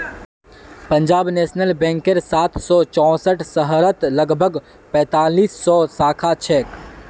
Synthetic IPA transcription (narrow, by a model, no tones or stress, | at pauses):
pɐ̃ɲd͡ʒaːbnɛːʃnəlbɛ̃ːŋkəɾsaːt̪ʰsɔt͡ʃɔ̃ːsəʈʰsəɦɾət̪lɐɡbʱəɡ | pɛ̃ːt̪aːliːsːɔsaːkʰat͡ʃʰɛːk